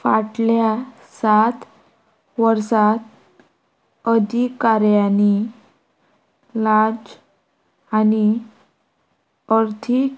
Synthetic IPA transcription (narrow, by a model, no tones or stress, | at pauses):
faʈlja | sat̪ | ʋəɾsat̪ | əd̪ʱikaɾjani | laɾd͡z | ani | əɾt̪ʰik